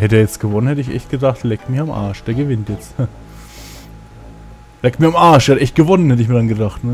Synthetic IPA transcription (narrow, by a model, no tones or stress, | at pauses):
hɛtəːɐjɛt͡stɡ̥əvɔnənhɛtəɪçʔɛ̰çtɡ̥ədaχtlɛːk̚tmɪçamʔa̰ːʃd̥eːɐɡəvɪntjɛt͡sth | lɛːk̚tmiɐamaɐʃdeːhtəʔɛçt̚ɡ̥əvɔnənhɛtəɪçmiːɐdanɡədaχtnə